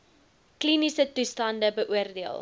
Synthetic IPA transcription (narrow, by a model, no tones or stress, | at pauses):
klinisətustɐndəbəʔuərdeəlˠ